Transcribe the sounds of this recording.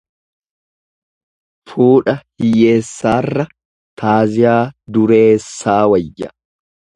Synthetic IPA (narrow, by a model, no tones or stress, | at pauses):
fuːᶑɐhɪje̞ːsːaːrːɐ | t̪ʰaːzɪjaːd̪ʊɾe̞ːsːaːwɐjːɐ̰